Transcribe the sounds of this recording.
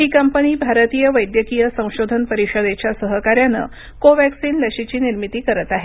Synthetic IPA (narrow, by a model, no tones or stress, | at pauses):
ɦiːkəmpəniːbʱaɾət̪ijəʋəjd̪jəkijəsə̃w̃ɕod̪ʱənpəɾiɕəd̪et͡ɕjasəɦəkaɾjanə̰ | koʋæksiːnləɕit͡ɕiːniɾmit̪iːkəɾət̪aɦe